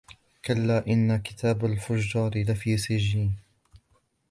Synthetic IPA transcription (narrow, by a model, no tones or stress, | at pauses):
kalːaːʔɪnːakɪ̥t̪ʰaːbalfʊd͡ʒːɑːɾɪlafiːsɪd͡ʒːiːn